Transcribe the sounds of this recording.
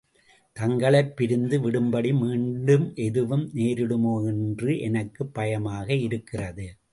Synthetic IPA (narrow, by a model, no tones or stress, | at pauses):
t̪ɐŋɡɐɭɐɪpːɪɾɯnd̪ɯʋɪɽɯmbɐɽimiːɳɖɯmʔɛðɯʋɯmneːɾɪɽɯmoːɛndrɯʔɛnɐkːɯpːɐjɐmaːɣɐɪɾɯkːɪrɐðɯ